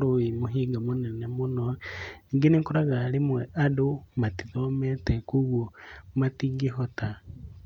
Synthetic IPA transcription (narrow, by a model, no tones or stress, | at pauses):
ɾoimuɦiɡamunɛnemunoniŋɡeniŋkoɾaɣalimwɛʔadomatiðomɛtekuɣomatiɡiɦota